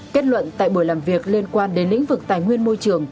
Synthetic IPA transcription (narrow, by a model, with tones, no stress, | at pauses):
ke˦˥t̚lwə̰˧˨nt̪a̰ː˧˨jɓu˧˩jlaː˨˩mvi˨˩ək̚li˧ənkwaː˧nɗe˨˦nlḭ˧˥ŋ̟vɨ˨˩k̚t̪aː˨˩jŋwi˧ənmo˧jt͡ɕɨ˨˩əŋ